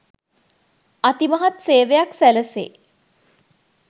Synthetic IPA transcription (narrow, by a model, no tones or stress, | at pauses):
at̪imɐɦat̪seːʋejaksæləsḛː